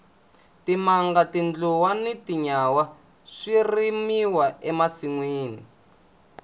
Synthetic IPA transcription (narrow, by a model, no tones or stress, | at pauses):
timaŋɡatind͡ɮuwanitiɲawa | ʂirimiwaɛmasiŋwiːni